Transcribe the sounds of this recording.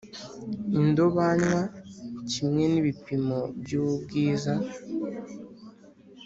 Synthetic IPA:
indo̞βaɲwacimŋe̞niβipimobjuβubɡiːza

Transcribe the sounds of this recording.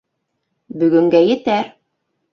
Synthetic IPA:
bɵ̆ɡɵ̆ŋɡæjɘ̆t̪æɾ

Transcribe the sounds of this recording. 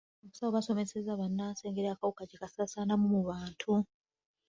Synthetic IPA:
oβusawoβaso̞me̞sezaβanːaːnse̞ːŋɡeɾakawukacekasasaːnamumuβaːntʰu

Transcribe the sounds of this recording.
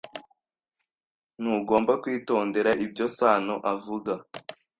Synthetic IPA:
nuɡo̞ːmbakwiːto̞ːnde̞ɾaʔib̚ɟo̞saːnoʔavuɡa

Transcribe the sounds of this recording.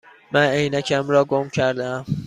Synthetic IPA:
mænejnækʰæmɾɒːɡomcʰæɾd̪ææm

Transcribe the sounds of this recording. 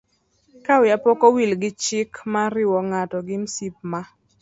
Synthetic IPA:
kawjapɔkɔwilɡɪt͡ʃɪkmaɾɪwɔŋatɔɡɪmsip̚ma

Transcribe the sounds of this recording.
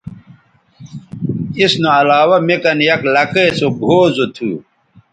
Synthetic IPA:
isnoɐlaːwɐmekɐnjɐklɐkesoɡʱoːzot̪ʰu

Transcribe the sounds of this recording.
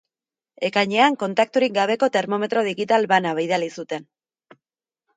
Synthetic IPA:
e̞kajɲe̞aŋko̞nt̪ak̚t̪uɾik̚ɡaβ̞e̞ko̞t̪e̞ɾmo̞me̞t̪ɾo̞ð̞iɣit̪alβanaβajðalisut̪e̞n

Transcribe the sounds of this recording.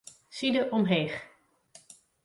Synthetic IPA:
sidəʔɔmɦejχ

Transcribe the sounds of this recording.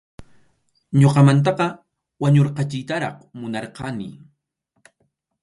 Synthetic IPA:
ɲoqɑmant̪̬ɑqɑ | waɲoɾqɑt͡ʃɪjt̪aɾɑ̰χmʊnɑɾqɑnɪ̰

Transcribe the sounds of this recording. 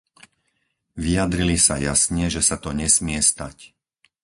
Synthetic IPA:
ʋijad̪ɾilisa̰jasɲɛʒɛsat̪ɔɲɛsmɪɛst̪ac

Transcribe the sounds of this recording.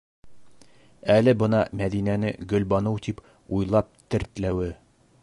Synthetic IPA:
ælɘbɤnɑmæðinænɘɡɵ̆lbɑnɤwt̪ip | ujlˠɑp̚t̪ɘ̆ɾt̪læwɘ

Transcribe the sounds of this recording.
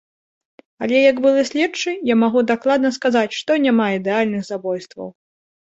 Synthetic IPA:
alʲɛjɐɡbɨlˠɨsʲlʲɛt͡ʂɨjamaɣud̪aklˠad̪nɐskazat͡sʲʂt̪ɔnʲamaid̪ɛalʲnɨɣzabɔjst̪vɐ̰w

